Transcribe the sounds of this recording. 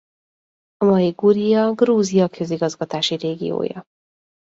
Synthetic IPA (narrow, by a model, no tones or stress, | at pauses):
ɒmɒjiɡuɾijɒɡruːzijɒkʰø̞ziɡɒzɡɒt̪aːʃiɾeːɡḭjo̰ːjɒ̰